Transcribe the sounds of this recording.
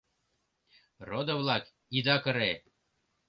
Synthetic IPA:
rod̪ɤ̆vlˠɑk | id̪ɑkɤ̆ɾe

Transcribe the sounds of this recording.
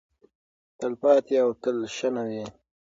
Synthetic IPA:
t̪əlpɑːt̪iawt̪əlʃanawi

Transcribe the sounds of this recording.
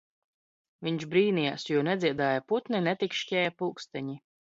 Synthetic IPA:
viɲʃbɾiːnijasjuɔnɛziɛd̪aːjaput̪ninɛt̪ikʃcʲɛːjpuːkst̪ɛɲi

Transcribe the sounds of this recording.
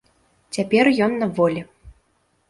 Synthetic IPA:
t͡sʲapʲɛrjɔnːɐvɔlʲɛ

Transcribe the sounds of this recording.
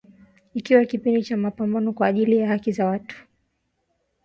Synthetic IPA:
ikiwakipindit͡ʃamapambanɔkwaːʄilijahakizawatu̥

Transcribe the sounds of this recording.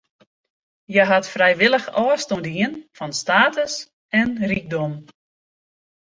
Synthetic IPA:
jɛɦatfrɛjʋɪlˠəxɔstondiənfɔnstaːtəs | ɛnrik̚dom

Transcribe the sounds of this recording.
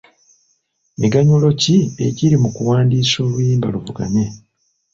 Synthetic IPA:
eɡaɲulo̞cie̞ciɾimukuwaːndiːso̞ːβujiːmba̰luvuɡa̰ne

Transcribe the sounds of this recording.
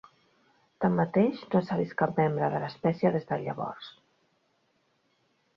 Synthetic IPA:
t̪amːat̪eʃnosaβiskapmembɾəðələspɛsjəðezðəʎəβɔ̰rs

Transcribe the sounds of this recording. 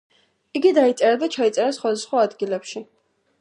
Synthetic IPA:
iɡid̪ait̪sʼɛɾad̪at͡ʃʰait̪sʼɛɾasχwad̪asχwaːd̪ɡilɛpʃi

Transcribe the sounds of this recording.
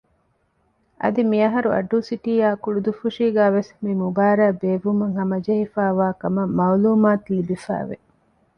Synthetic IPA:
ʔɐ̰d̪imiɐɦɐɾuʔɐ̰ɖuːsiʈiːaːkuɭud̪ufuʂiːɡæːʋesmimubaːɾæːbeːʋumuŋɦɐmɐd͡ʒɐɦifæːʋaːkɐmɐmɐwluːmaːt̪libifæ̰ːʋḛ

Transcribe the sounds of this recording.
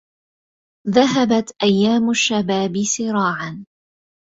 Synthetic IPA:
ðaɦabat̪ʔajːaːmʊʃːabaːbɪsɪɾɑːʕan

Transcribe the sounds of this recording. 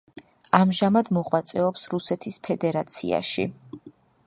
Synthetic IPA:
amʒamad̪mɔʁwat̪sʼɛɔpsɾusɛt̪ʰispʰɛd̪ɛɾat̪sʰḭa̰ʃḭ

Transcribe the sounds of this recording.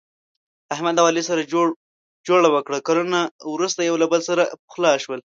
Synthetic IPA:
ahmad̪awɑlisaɾa | d͡ʒoɽawəkɽakaɾunawɾust̪ajawlabəlsaɾapə̥xlɑʃwəl

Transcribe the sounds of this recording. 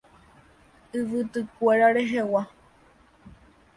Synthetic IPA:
ɨʋɨt̪ɨkʷeɾaɾeɦewa

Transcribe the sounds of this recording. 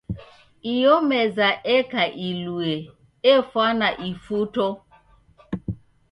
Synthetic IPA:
ijomezaʔekaʔilue | efwanaʔifuto

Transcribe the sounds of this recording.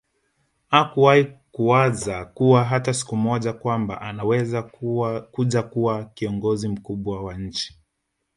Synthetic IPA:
akuwahikuwazakuwaɦatasi̥kumɔʄakwamba̰ʔanawɛzakuʄakuwakiɔŋɡɔzim̩kuɓwawaɲ̩t͡ʃi̥

